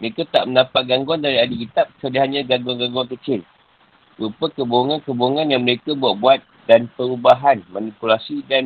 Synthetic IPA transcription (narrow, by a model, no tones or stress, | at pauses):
məɾekat̪a̰ʔmə̃ndapat̪̚ɡaŋɡɔndaɾiadikit̪ap̚sədiɦaɲãɡaŋɡɔŋɡaŋɡɔŋkət͡ʃɪl | bɾupəkəbouŋankəbouŋãnjaŋməɾekabuaʔ̪̚buat̪̚ | danpəɾubaɦanmanipulasidan